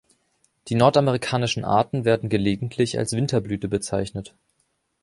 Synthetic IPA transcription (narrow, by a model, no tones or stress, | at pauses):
d̥iːnɔɐtaməʁ̞ikʰaːnɪʃn̩ʔa̰ːɐtn̩veːɐdn̩ɡəleːɡŋ̩tʰlɪça̰lsv̥ɪntʰɐblyːtəbət͡saɪçnət